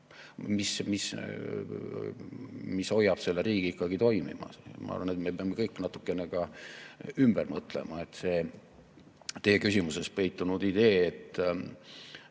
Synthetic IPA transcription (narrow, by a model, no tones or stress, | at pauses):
mismis | miso̞jːɑb̥se̞lːeɾiːɡ̥iikːˑɑɡ̥it̪o̞jmḭmɑ̰smɑ̰ɑ̰ɾvɑnet̪me̞peɑmːekɤjkːˑnɑt̪ːˑu̥kːˑe̞neɡɑ | ymb̥ermɤt̪ˑle̞̰mɑe̞t̪se̞ː | t̪e̞jːekysʲimuse̞s̚pe̞jt̪ːˑunud̪̥id̪̥e̞ːet̪ː